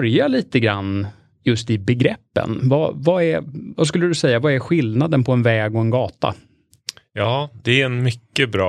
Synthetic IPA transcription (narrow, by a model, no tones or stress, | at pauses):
ɾjaliːt̪əɡɾanː | jɵst̪ɪbɛɡɾɛpːə̰nva̰vaæɾvas̬kɵlːəd̪ɵsɛjːavaɛɾɧɪlnad̪ənpʰɔɛnvɛːɡɔɛnɡɑːt̪a̰ | jɑːd̪ɛæɾɛnmʏkːəbɾɑ̰ː